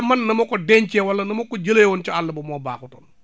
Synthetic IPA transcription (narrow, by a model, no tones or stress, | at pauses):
mɐnːɐmokɔdɛɲt͡ʃɛːwɐlːɐnɐmokɔɟəleːwɔnt͡ʃialːɐbɐmɔːba̰ːkuto̰ːn